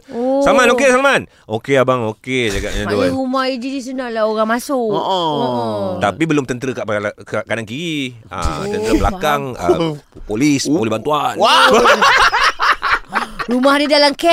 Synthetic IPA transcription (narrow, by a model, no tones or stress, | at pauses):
osamanokesaman | ʔokeabaŋoked͡ʒaɡa̰ʔɲãduɾumaɦid͡ʒidis̬unaʔlaoɣaŋmasʊʔoʔɔ | t̪apibəlʊmt̪ənt̪əɾəkaʔpla | kanaŋkiɾi | ə̰t̪ənt̪əɾəbəla̰kaŋə̰ | polispolisbant̪uanwa | ɾumaɦdidalamkɛ